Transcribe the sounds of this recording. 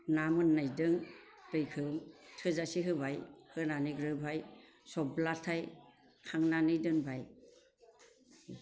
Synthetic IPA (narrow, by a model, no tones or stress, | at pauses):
namɯnːajdɯŋ | tɯjkʰɯmtʰɯzasiɦɯbajhɯnaniɡɾɯbʱaj | sɔblatʰaj | kʰaŋnanɯjdɯnbʱaj